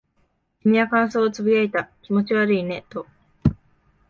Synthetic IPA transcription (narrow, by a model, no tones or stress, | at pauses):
kʲimʲinakãɰ̃so̞ːt͡sɨbijait̪akʲimo̞t͡ɕiβaɾɯ̟ine̞t̪o̞